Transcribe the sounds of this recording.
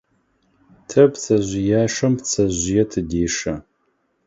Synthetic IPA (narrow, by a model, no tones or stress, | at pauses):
tʰɐpt͡sʰɐʑʷɪjaːʂɐmpt͡sʰɐʑʷɪjɛtʰɨdeːʂɐ